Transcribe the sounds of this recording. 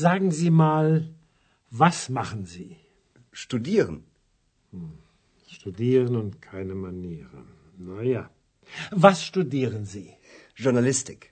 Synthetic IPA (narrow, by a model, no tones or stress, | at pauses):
zaːɡŋ̩ziːmaːl | vasmaχənziː | ʃtudiːʁən̩ | ʃtudiːʁənʊntkʰaɪnəmaniːʁə̰ | naja | vasʃtudiːʁənziː | ʒ̥ʊɐnalɪstɪk